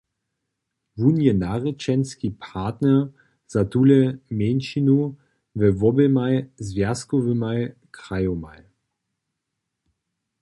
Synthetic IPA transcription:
vunjɛnaʁɛt͡ʃɛnskipʰaːtnɛ | z̥at̪ulɛmɛnʃinu | vɛvɔbɛmajzvjaskɔvəmajkʁajɔmaj

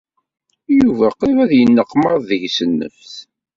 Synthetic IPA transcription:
juvæqiɾˤæðjənːəqːmɑðˤðəʝsənːə̰fθ

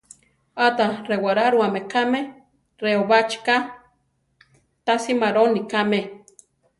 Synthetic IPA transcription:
at̪arewaɾaɾuamekame | reoβat͡ʃka | t̪asimaɾonikame

